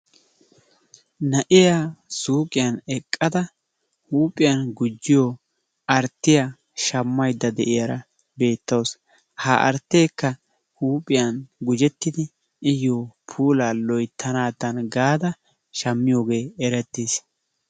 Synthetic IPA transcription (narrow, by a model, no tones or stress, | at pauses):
nɐʔɪjaːsuːkʼɪjɐnɛkʼːɐd̪ɐ | huːpʼːɪjɐnɡʊd͡ʒːɪjoː | ɐɾt̪ːɪja | ʃɐmːɐjd̪ːɐd̪ɛʔɪjɐɾɐ | be̞ːt̪ːɐws | haːʔɐ̰ɾt̪ːeːkːɐ | huːpʼɪjɐnɡʊd͡ʒɛt̪ːɪd̪ɪː | joːpʰuːlaːlɔjt̪ʰːɐnaːt̪ːɐnɡaːd̪ɐ | ʃɐmːɪjo̞ːɡe̞ːɛɾɛt̪ːeːs